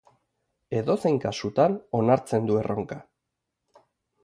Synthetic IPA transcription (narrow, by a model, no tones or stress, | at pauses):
e̞ðo̞se̞jŋkasut̪ano̞naɾt͡se̞nd̪ue̞ro̞ŋka